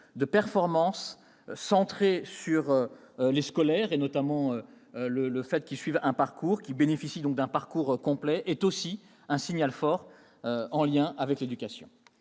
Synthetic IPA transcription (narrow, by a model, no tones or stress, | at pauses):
d̪əpɛʁfɔʁmɑ̃sː | ɑ̃t̪χesyʁø | leskɔlɛʁenɔt̪amɑ̃ø | lələfɛt̪kʲilsɥivɛ̃paʁkuʁkʲibenefisid̪ɔ̃k̚d̪ɛ̃paʁkuʁkɔ̃plɛʔɛt̪osi | ɛ̃siɲalfɔʁ | øɑ̃ljɛ̃ʔavɛkled̪ykʲasjɔ̰̃